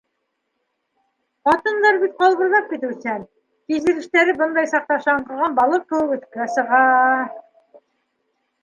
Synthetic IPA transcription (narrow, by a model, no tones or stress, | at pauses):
qɑt̪ɤ̆nd̪ɑɾbit̪̚qɑlˠβɤ̆ɾlˠɑp̚kit̪ʉsæn | k̪izɘ̆ɾɘ̆ʃt̪æɾɘbɤnd̪ɑjsɑq̚t̪ɑʃɑɴqɤ̆ʁɑnbɑlˠɤp̚kɘ̆wɘkʉ̆θkæsɤ̆ʁɑ